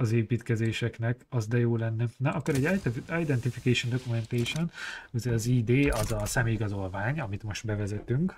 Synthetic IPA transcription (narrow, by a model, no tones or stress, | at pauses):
ɒzeːpiːt̪kɛzeːʃɛknɛkɒzd̪ɛjoːlɛnːɛnɒʔɒkːoɾɛɟaːjd̪ɛnt̪ifikɛjʃond̪o̞kumɛnt̪eʃonuzɛɒziːd̪eːɒzɒsɛmeːjɡɒzo̞lvaːɲɒmit̪mo̞ʃt̪bɛvɛzɛt̪yŋk